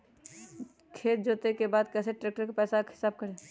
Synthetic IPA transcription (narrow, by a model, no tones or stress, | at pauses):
kʰeːt̪̚d͡ʒoːt̪ekebaːd̪kɛːseʈɾeːk̚ʈəɾkepɛːsakɪ̥saːb̚kəɾeː